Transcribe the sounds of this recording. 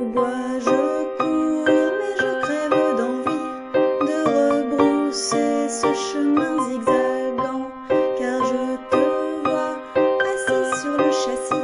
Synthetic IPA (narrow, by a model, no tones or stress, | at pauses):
bwa | ʒəəkumɛʒət̪χɛvod̪ɑ̃vi | d̪əʁəbʁusesəʃəmɛ̃zɛɡzalbɑ̃ | kaʁʒət̪ɔvwa | mɛsisyʁləʃasi